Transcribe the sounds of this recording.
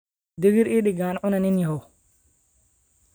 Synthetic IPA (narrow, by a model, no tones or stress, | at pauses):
diɡiɾiɗiɡanʔʊnaninjiho